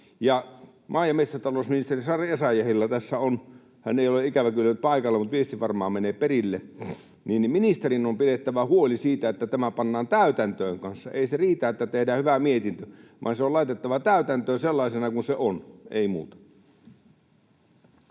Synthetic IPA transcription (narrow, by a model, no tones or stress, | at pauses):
jɑ | mʔɑːjɑmet̪sɑt̪ɑloˑsminist̪erisɑresæjæhilːæt̪æsːæon | hæ̰neˑijoleikæʋækylːænyt̪̚pɑikɑlːemut̪ʋiest̪ifɑrmɑːmeneːperilːe | niːnminist̪erinompidet̪ːæʋæhuolisiːt̪æet̪ːæt̪æmæpɑnːɑːnt̪æˑyt̪ænt̪øːŋkɑnsːɑeˑiseriːt̪æːet̪ːæt̪ehdæːhyʋæmiet̪int̪øʋʔɑ̰nseolɑˑit̪et̪ːɑʋɑt̪æˑyt̪ænt̪øːnselːɑisenɑkunseʔonḛimṵːt̪ɑ̥